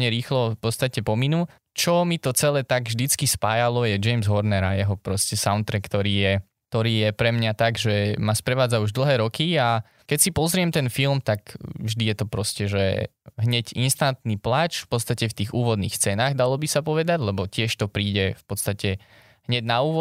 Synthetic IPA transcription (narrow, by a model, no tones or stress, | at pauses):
ɲɛɾiːxlɔfpɔt̪st̪acɛpɔminuː | t͡ʃɔmit̪ɔt͡sɛlɛːt̪aɡvʒd̪it͡skispaːjalɔjɛd͡ʒɛjmzɦɔɾnɛɾajɛɦɔpɾɔscɛsaʊnt̪ɾɛkt̪ɔɾiːjɛ | kt̪ɔɾiːjɛpɾɛmɲat̪aɡʒɛmaspɾɛʋaːd͡zauʒd̪l̩ˠɦɛːɾɔkia | kɛcsipɔzɾɪɛmt̪ɛnfilmt̪akvʒd̪ijɛt̪ɔpɾɔscɛʒɛ̰ | ɦɲɛɟinst̪ant̪niplat͡ʃfpɔt̪st̪acɛft̪iːɣuːʋɔd̪nḭːxst͡sɛːnaːɣd̪alɔbisapɔʋɛd̪aɟlɛbɔcɪɛʃt̪ɔpɾiːɟɛfpɔt̪st̪acɛ | ɦɲɛɟnauːʋɔ